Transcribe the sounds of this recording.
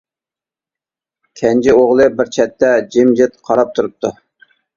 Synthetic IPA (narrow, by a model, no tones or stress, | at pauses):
kʲʰɛnt͡ʃɪoʁlˠɨbɪɾt͡ʃʰɛt̪ʰːɛd͡ʒɪmd͡ʒɪt̪qʰɑɾɑp̚t̪ʰuɾup̚t̪ʰu